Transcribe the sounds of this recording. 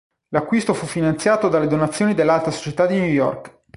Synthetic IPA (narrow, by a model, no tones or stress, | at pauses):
lakːwist̪ofufːinant̪sjaːt̪od̪alːed̪onat̪sːjoːnid̪elːalt̪aso̥t͡ʃet̪ad̪ːinujɔ̰rk